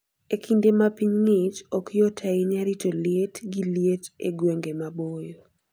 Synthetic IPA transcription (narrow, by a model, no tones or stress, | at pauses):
ekʰindemapiɲŋɪt͡ʃɔkʰɪjotʰaiɲaɾitolietɡiljetḛɡweŋɡemabojo